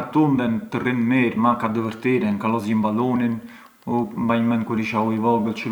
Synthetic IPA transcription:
at̪und̪ɛnt̪ərinmɛɾmakad̪əvəɾt̪iɾɛnkalɔzimbalɔnin | umbajmɛnkuɾiʃauivɔɡəlt͡ʃə

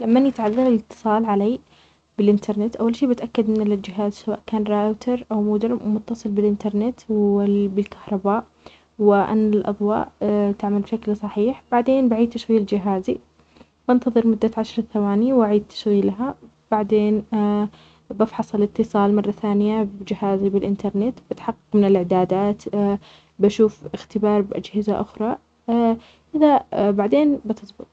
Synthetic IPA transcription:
lamːanjɪt̪ʕɑðːɑɾɪlɪt̪ːɨ̥sˤɑːlʕalaː | bɪlʔɪnt̪ʰɑɾˤnɪt̪ʔawːalʃiːbɪt̪ʔakːad̪mɪnɪlɪld͡ʒɪɦaːzsawa̰ːʔkaːnɾˤaʔt̪ʰɑɾˤʔawmʊd̪ɪɾmʊt̪ːɑsˤɨlbɪlʔɪnt̪ɑɾˤnɪt̪wbɪlkḁhɾˤɑbaːʔ | wɪʔa̰nːalʔɑ̰ðˤwɑ̰ːʔt̪ɪʕmalbʃaklsˤɑħiːħb̥aʕd̪eːnbaʕiːd̪̚t̪aʃɣiːld͡ʒɪɦaːzi | b̥ɪnt̪ɑðˤɨɾmʊd̪ːaʕaʃɾˤɑθawaːniwaʕiːd̪̚t̪ʰḁʃɣiːlɦa | b̥aʕd̪eːn | bɑfħɑsˤɑlɪt̪ːɨsˤɑːlmɑrˤːɑθaːnɪjabd͡ʒɪhaːzibɪlʔɪnt̪ɑɾˤnɪt̪b̥ɪt̪ħɑqːɑqmɪnɪlʔɪʕd̪aːd̪aːt̪ | baʃuːfɪxt̪ɪbɑːɾˤbʔa̰d͡ʒhɪza̰ʔʊxɾˤɑ | ʔɪðabaʕd̪eːnbɪt̪ʰɨsˤbɨt̪̚ˤ

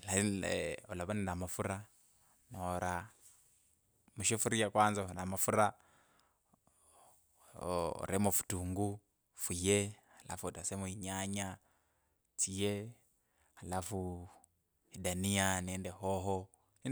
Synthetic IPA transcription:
laiɔlaβaninamafuɾa | nɔɾa | muʃefuɾijakwaːnzanamafuɾa | ɾɛmofu̥tuŋɡu | fuje | ala̰futasɛmuiɲaɲa | t͡sije | halafu | idanianɛndɛhɔɦɔ | i

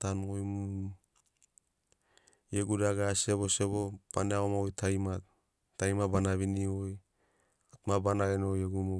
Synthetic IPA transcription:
tanojmu | jeɡudaɡeaseβoseβob̥aneaomaojtʰajmat | tajmabanaβinioj | atmabanaɡenojeɡumo

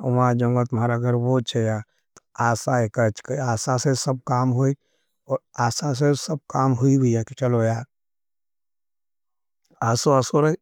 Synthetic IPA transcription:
ʊ̰mãd͡ʒõŋɡət̪ʊmaːɾaɡəɾwot͡ʃʰeja | t̪o̥aːsaekɐt͡ʃkaːsasesɐb̚kaːmɦoi | ɔːɾaːsas̬esɐb̚kaːmɦʊiɦʊiaket͡ʃɐlojaːɾ | aːsoasoɾɐi

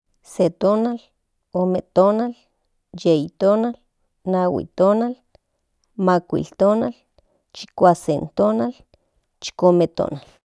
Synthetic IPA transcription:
set̪oːnal | oːmet̪onal | jeit̪oːnal | nawḭt̪oːnal | makʷḭlt̪oːnal | t͡ʃi̥kʷasent̪oːnal | t͡ʃi̥komet̪o̰ːnal

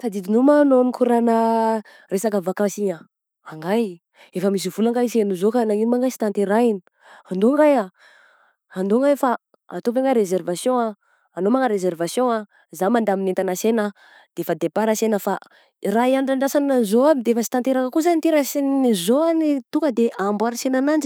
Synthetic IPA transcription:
sad̪id̪inumaːnonikʰuɾanə | resakavakasiɲa | aŋɡaj | efəmis̬ivulaŋɡajisenizokanainimaŋɡajsi̥t̪ant̪eɾaini̥ | and̪oŋɡaja | and̪oŋɡajfa | a̰t̪op̬eŋɡaɾezervasjõa | anomaŋəɾezervasjõa | zamand̪aminet̪anasena | d̪̥eefad̪epaɾasenəfa | raiaɳɖ͡ʐaɳɖ͡ʐasanazoabid̪eefəsi̥t̪ant̪eɾakakuzanit̪eɾasiniizoanit̪uŋkəd̪eʔambaɾasenanand͡ʒi̥

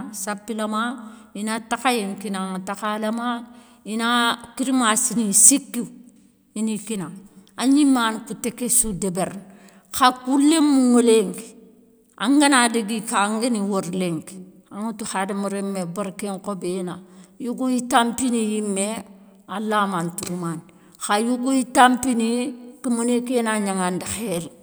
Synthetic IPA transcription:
sapːilamainatakajeŋkinaŋtakalama | inakiɾimasinisikːi | inikinaŋaɲimːankutekesudebeɾn | kakulːemːuŋoleŋɡ | ʔaŋɡanadiɡikaŋɡeniwoɾleŋɡ | aŋutuhademuɾemːeboɾkeŋkobenajuɡujitampinijimːe | alːamantuɾuman | xajuɡujitampinikimunekenaɲaŋandixel

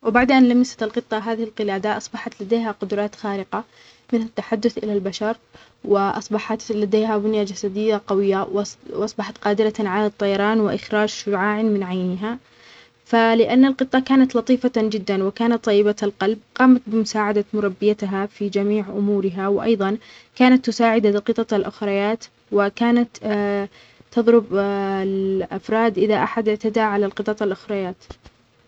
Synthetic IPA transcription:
wɪbaʕd̪ʔanlamɪsḁt̪ɪlqɨt̪ˤːɑɦaːðɪhɪlqɪlaːd̪aʔɑsˤbɑħɑt̪lad̪eːɦaqʊd̪ɾˤɑːt̪xaːɾɪqa | mɪnhat̪ːaħad̪ːʊθʔɪ̰lalbaʃɑɾˤ | wɪʔɑ̰sˤbɑħɑt̪lad̪eːɦabʊnjad͡ʒasad̪ɪjːaqɑwɪjːawwʔɑsˤbɑħɑt̪qɑːd̪ɪɾaʕalat̪ˤːɑjɑɾˤɑːnwɪʔɪxɾaːd͡ʒʃʊʕaːʕɪnmɪnʕajnɪɦa | falɪʔanːalqɨt̪ˤːɑkaːnat̪lɑt̪ˤiːfad͡ʒɪd̪ːanwɪkaːnat̪ˤːɑjːɪbaalqɑlb̚qɑːmat̪̚bɪmʊsaːʕad̪amʊɾˤɑbːɪjat̪ɦafid͡ʒamiːʕʔʊmuːɾɪɦawɪʔɑ̰jðˤɑnkaːnat̪ːʊsaːʕɪd̪aqɨt̪ˤɑt̪alʔʊxɾˤɑjaːt̪ | wɪkaːnat̪ | t̪ːɑðˤɾʊblʔafɾˤɑːd̪ʔɪðaʔaħad̪ʔɪʕt̪ad̪aʕalalqɨt̪ˤɑt̪ˤalʔʊxɾˤɑjaːt̪

